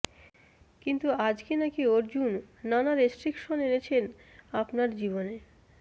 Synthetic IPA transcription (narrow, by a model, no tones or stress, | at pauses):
kint̪uad͡ʑkenakioɾd͡ʑunːanaɾesʈɾikʃonenet͡ɕʰen | apnaɾd͡ʑiβone